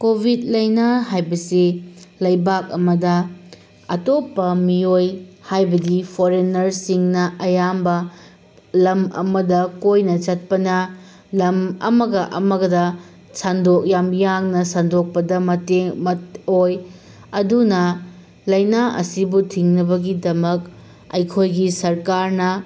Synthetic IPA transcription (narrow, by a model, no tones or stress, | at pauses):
kobʱit̚lɐjnaɦajbɐsilɐjbak̚ɐmɐdɐ | ɐ̰topːɐmiojhajbɐdipʰoɾenɐɾsiŋnɐʔɐjambɐ | lɐmɐ̰mɐdɐkojnɐt͡ʃɐt̚pɐnɐ | lɐmɐ̰mɐɡɐʔɐ̰mɐɡɐdɐ | sandok̚jamjaŋnɐsandok̚pɐdɐmɐteŋmɐtoj | ɐdunɐ | lɐjnaʔɐ̰sibutʰiŋnɐbɐɡidɐmɐk | ɐ̰jkʰojɡisɐɾkaɾnɐ